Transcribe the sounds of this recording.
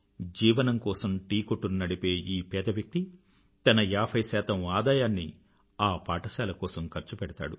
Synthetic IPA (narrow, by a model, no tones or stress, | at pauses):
d͡ʒiːʋɐnɐmkɔːsɐmʈiːkoʈːunnɐɽipe̞ːiːpɛːd̪ɐʋjɐk̚t̪i | t̪ɐnɐjaːpʰɐjsɛːt̪ɐmaːd̪aːjaːnːi | aːpaːʈɐsaːlɐkɔːsɐmkɐɾt͡ʃupɛɽɐt̪a̰ːɽu